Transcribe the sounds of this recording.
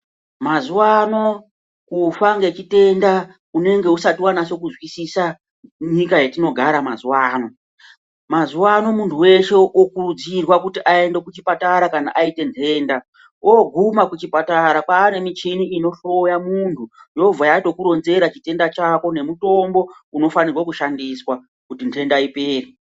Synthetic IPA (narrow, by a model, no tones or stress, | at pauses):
mazuwano̞ | kufaŋɡe̞t͡ʃite̞nda | une̞ŋɡe̞usatiwanaʃo̞kuzwisisa | ɲikajetino̞ɡʱaɾamazuwaːno̞ | mazuwano̞muntʰuwe̞ʃe̞ʔokuɾud͡zirwakutiʔae̞nde̞kut͡ʃipataɾakanaʔaite̞ntʰe̞ːnda | oɡʱumakut͡ʃipataɾapaːne̞mit͡ʃiniːno̞ɬo̞jamuntʰujo̞b͡vʱajato̞kuɾo̞nze̞ɾat͡ʃite̞ndat͡ʃako̞ne̞muto̞mbo̞ | uno̞fanirwakuʃandiswa | kutintʰe̞ndaipeːri